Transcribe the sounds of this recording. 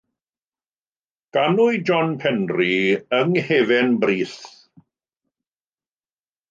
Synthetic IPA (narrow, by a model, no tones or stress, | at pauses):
ɡ̥anʊɨd͡ʒɔnpʰɛnriəŋheːvɪnbriːθ